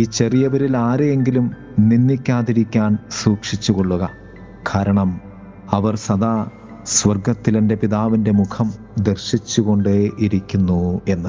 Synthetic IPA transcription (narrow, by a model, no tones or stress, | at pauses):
iːt͡ɕe̞rijɐʋɐɾilaːɾeje̞ŋɡilum | ninːikʲːaːðiɾikʲːaːnsuːkʂit͡ɕːuɣo̞ɭːuɣɐ | kʰaːɾɐɳɐm | ɐʋɐrsɐd̪aː | sʋɐrɡɐt̪ːilende̞piðaːʋinde̞mukʰɐm | d̪erɕit͡ɕːuɣo̞ɳɖeʔiɾikʲːunːue̞nːɨ